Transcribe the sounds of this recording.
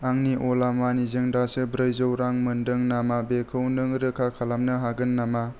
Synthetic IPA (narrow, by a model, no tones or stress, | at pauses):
aŋniʔɔlamanizɯŋdasɯbɾɯjzɯwɾaŋmɯndɯŋnamabekʰɯwnɯŋɾɯkʰakʰalamnɯɦaɡɯnːama